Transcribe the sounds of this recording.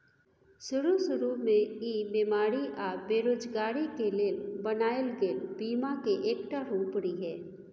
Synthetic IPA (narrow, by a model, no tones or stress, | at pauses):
sʊɾusʊɾumẽiːbeːmaːɾiʔaːbeːɾoːd͡ʒɡaːɾikeleːlbɐnaːjlɡeːlbiːmakeʔeːkʈaɾuːpɽiɦɛː